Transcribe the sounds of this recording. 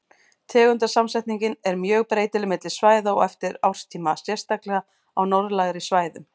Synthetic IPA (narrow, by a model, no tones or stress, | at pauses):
t̪ʰɛːɣʏnt̪ḁsamsɛjht̪niɲcɪnɛɾmjœːɣpɾeːjt̪ɪlɪmɪt̪lɪ̥svaːjðaɔ̰ɣɛft̪ɪɾawr̥st̪ʰiːmasjɛr̥st̪aklɛɣa | awnɔɾðlaːɣɾisvaːjðʏm